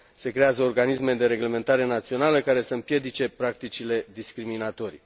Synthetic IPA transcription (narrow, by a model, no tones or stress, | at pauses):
se̞kɾe̞azəorɡanismed̪e̞ɾe̞ɡle̞me̞nt̪aɾe̞nat̪sio̞naləkaɾe̞səɨmpje̞d̪it͡ʃe̞pɾak̚t̪it͡ʃile̞d̪iskɾiminat̪o̞ɾi